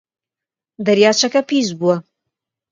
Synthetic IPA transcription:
d̪ɐɾjaːt͡ʃʰɐkɐpiːzbuɐ

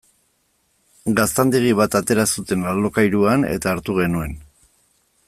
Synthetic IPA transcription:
ɡast̪and̪iɣ̞iβ̞at̪at̪e̞ɾasut̪e̞nallo̞kajɾuanḛt̪aːɾt̪uɣe̞nue̞n

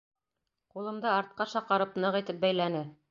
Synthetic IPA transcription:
qulˠɤ̆md̪ɤɑɾt̪̚qɑʃɑqɤ̆ɾɤpnɤʁit̪ɘp̚bæjlænɘ

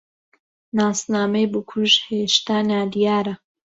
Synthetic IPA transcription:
naːsnaːmejbukʰuʒheʃt̪aːnaːd̪ijaːɾɐ

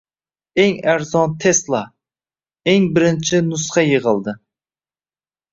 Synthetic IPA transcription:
eŋæɾzɒnt̪ʰeslˠɑ | eŋbɪɾɪnt͡ʃʰɪnʊsχɑjeʁɨlˠd̪ɪ

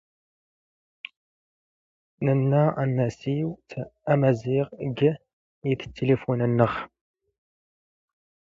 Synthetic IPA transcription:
nənːæənːæsiwtæmæziʁɡə | iθə̥t̪ʰːelefunənːəχ

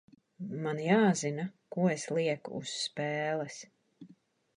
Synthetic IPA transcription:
manjaːzinakuɔeslˠiɛkṵːsːpɛːlˠɛs

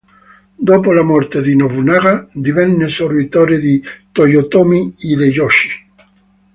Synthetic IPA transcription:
d̪opolamoɾt̪eðinoβunaɣad̪iβenːesoɾβit̪oɾeðit̪ojot̪omiiðeʎoʃi̥

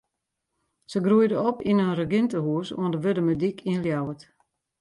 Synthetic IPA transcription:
səɡruəjdəɔpinərəɡɪntəhuəsṵəndəʋødəmədikʰiəljawət

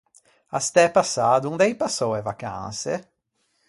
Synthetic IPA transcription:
ast̪ɛpasad̪ʊũnd̪aipasowɛvakã̰sḛ

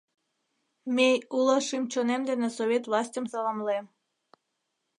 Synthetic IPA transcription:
meuləʃimt͡ɕonemd̪enesoβʲet̪vlˠɑsʲtʲəmsɑlɑmlem

